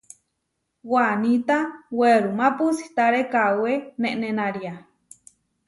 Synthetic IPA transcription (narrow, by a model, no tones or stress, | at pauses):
wanit̪aweɾumapusi̥t̪aɾekaweneʔnenaɾia